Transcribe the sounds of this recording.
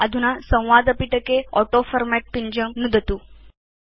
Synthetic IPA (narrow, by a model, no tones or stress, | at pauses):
əd̪ʱunasə̃w̃ʋad̪əpiʈəkeɔʈofəɾmæʈ̚piɲd͡ʑəmnud̪ʱt̪uː